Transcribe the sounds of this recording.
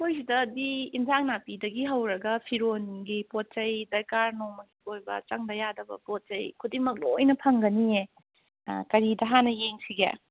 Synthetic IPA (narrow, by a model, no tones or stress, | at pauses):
kojsidɐdiːnzaŋnapidɐɡiɦɐwɾɐɡɐpʰiɾonɡipot̚t͡ʃɐjdɐjkaɾnoŋmɐɡikojbɐ̰t͡ʃɐŋdɐjadɐbɐ̰pot̚t͡ʃɐjkʰudimɐk̬̚lojnɐpʰɐŋɡɐniḛ | kɐɾidɐɦanɐjeŋsiɡḛ